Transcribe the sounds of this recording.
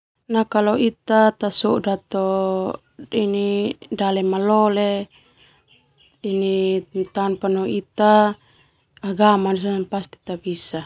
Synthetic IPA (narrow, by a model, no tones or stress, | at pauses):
nakalɔit̪at̪asɔdat̪ɔ | inidalɛmalɔle | init̪anpanɔit̪a | aɡamanisananpast̪i̥t̪abisa